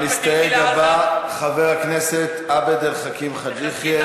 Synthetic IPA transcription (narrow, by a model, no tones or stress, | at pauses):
nist̪ajedavaχaveʁakneset̪abed̪elχakimχad̪iχje